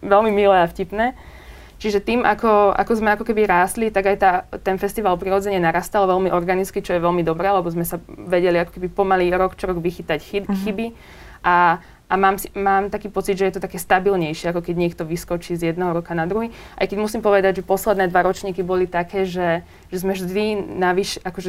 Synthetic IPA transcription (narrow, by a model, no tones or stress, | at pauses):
ʋɛlmimilɛafcipnɛː | t͡ʃiʒɛt̪iːmʔakɔa̰kɔzmɛakɔkɛbiɾaːst̪lit̪aɡajt̪aːt̪ɛnfɛst̪iʋaːlpɾiɾɔd͡zɛɲɛnaɾaːst̪alɔʋɛlmiʔɔɾɡanit͡skit͡ʃɔjɛʋɛlmid̪ɔbɾɛːalɛbɔzmɛsaʋɛɟɛliakɔ̥kɛbipɔmaliːɾɔkt͡ʃɔɾɔɡʋixit̪acxibi | ʔa | ʔamaːmsimaːmt̪akiːpɔt͡sid̪ʒɛjɛt̪ɔt̪akɛːst̪abilɲɛjʃɪɛakɔkɛɟɲɛkt̪ɔʋiskɔt͡ʃiːzjɛd̪nɛɦɔɾɔkanad̪ɾuɦiːʔa̰jkɛɟmusimpɔʋɛd̪aɟʒɛpɔslɛd̪nɛːd̪ʋaɾɔt͡ʃɲiːkibɔlit̪akɛːʒɛ | ʒɛzmɛʒd̪inaʋiʃɛʔakɔʒɛ